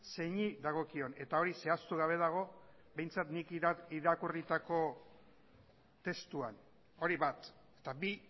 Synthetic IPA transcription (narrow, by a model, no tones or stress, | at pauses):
se̞ɲiðaɣ̞o̞kio̞ne̞t̪ao̞ɾise̞ast̪uɣaβe̞ð̞aɣ̞o̞ | be̞jnt͡sat̪nikiɾakurit̪ako̞ | t̪e̞st̪uan | o̞ɾiβat̪ | e̞̥t̪abi